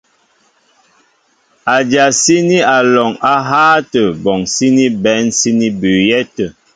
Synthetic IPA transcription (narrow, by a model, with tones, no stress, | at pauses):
a˨d͡ʒa˨si˦ni˦a˨lɔ˨ŋa˦ɦaː˦tə˨bɔ˨ŋsi˦ni˦bɛ˨˦nsi˦ni˦bʉ˨jɛ˦tə˨